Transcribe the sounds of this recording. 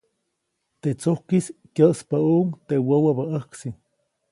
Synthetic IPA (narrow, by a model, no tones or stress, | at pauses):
t̪et͡sohkiskjaʔspaoːŋt̪ewawaβaaksi